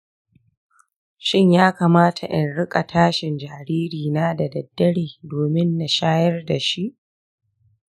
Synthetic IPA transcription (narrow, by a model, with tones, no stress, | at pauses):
ʃɪ˦ɲjaː˦kaː˨maː˦tʰa̰˨ʔɪ˨nɽɪ˦kʼa˨tʰaː˦ʃɪ˨nd͡ʒaː˨ɾiː˦ɾiː˨naː˦da˨dɐ˨dːɐ˦ɽiː˨doː˨mɪ˦nːa˨ʃaː˦jɐ˦rda˨ʃi˦ʔ